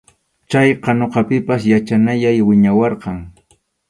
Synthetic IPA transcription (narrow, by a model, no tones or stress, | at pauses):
t͡ʃajqɑnoqɑpɪpasjat͡ʃanajajwɪɲawɑɾqɑŋ